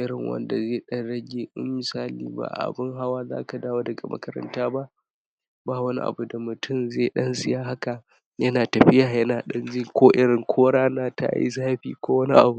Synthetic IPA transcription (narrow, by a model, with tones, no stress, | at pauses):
ʔɪ˦ɾɪ˨ŋwɐ̰˨nda˨zeː˦˨ɗɐ˦nɽɐ˦ɡʲeː˦ʔɪ̰˦mmɪ˨saː˦lḭː˦ba̰˦˨ʔa̰˨bɪ˦ŋɦa˦waː˦za̰ː˦ka˨daː˦woː˦dɐ˨ɡa˨mɐ̰˦kɐ˦ɾɐ̰˦ntaː˦ba˦ʔ | baː˦wɐ˦ni˦ʔa̰˨bu˨da˨mʊ˨tʰʊ˦˨mze˦˨ɗɐ˦nsɪ˦jaː˦ɦa˦ka˨ | jɐ˦naː˨tɐ˨ɸɪ˦jaː˨jɐ˦naː˨ɗɐ˦nd͡ʒɪ˦ŋkʷoː˦ʔɪ˦ɾɪ˨ŋkʷʰoː˦ɽaː˦na˦ta̰˨jḭ˦saː˦ɸḭː˦kʷoː˦wɐ˦ni˦ʔa̰˨bu˨˦